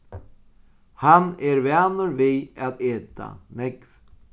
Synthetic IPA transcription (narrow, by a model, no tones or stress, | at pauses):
hanɛɾvɛːnəɾvɪaðeːt̪ʰa̰mɛkv